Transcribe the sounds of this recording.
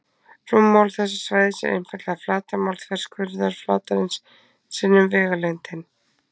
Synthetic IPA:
r̥umːawlθɛsːḁsvajðɪsɪ̰ʔḛjnfɛɾt̪laflaːt̪amawlt̪ʰfɛɾ̥skʰvʏɾðaɾ̥flaːt̪aɾɪnsː | ɪnːʏmvɛːɣalɛnt̪ɪn

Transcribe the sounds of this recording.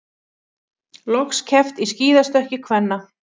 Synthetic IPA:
lɔxscʰɛft̪isciːðast̪œhcɪkʰvɛnːa

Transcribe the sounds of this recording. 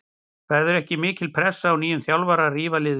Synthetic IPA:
vɛɾðʏɾɛhcɪmɪːcɪlpʰɾɛsːaːwniːjʏnθjawlvaɾariːvalɪːð

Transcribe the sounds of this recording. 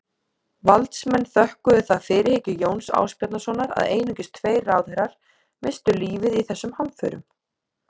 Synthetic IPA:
valt̪smɛnːθœhkʏðʏθaðfɪːɾɪɾhɪcʏɪjoːwnsa̰ːwspɛt̪nasɔnaɾa̰ðeːjnɪŋcɪst̪ʰveːjraːwðhɛɾaɾ̥ | mɪst̪ʏliːvɪðiθɛsːʏmhanfœ̰ːɾʏ̰m

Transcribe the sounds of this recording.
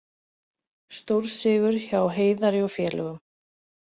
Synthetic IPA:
st̪owɾ̥sɪːɣʏɾ̥çaːwɦeːjðaɾɪɔfjɛːlœ̰ɣʏm

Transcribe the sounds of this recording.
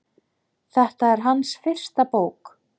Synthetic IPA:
θɛht̪aɛɾ̥ɦansfɪr̥st̪apoːwk

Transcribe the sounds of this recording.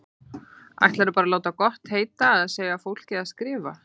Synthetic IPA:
a̰jht̪laɾɪpaːɾaloːwt̪akɔht̪heːjt̪aɛðaðseːjɣafowl̥cɪaðskɾɪːva̰

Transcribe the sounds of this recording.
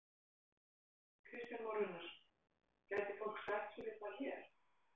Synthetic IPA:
kʰvɪst̪ʏmɔwɾʏnaɾ̥ | caːjt̪ɪfol̥ksajht̪sɛmvɪt̪açɛɾ̥

